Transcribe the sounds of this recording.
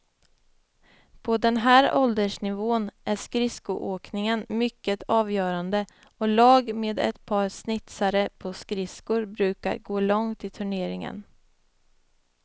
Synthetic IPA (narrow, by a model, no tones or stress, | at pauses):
pʰɔd̪ɛnɦæːɾɔld̪əʂnɪvoːnʔæʂkɾɪskʊʔoːknɪŋənmʏkːət̪ʰɑːvjœːɾand̪ə | ɔlɑːɡmeːd̪ɛ̰t̪pʰɑːɾsnɪt̪saɾəpʰɔskɾɪskʊɾbɾʉ̟ːka̰ɾɡoːlɔŋt̪ɪt̪ʰɵɳeːɾɪŋə̰n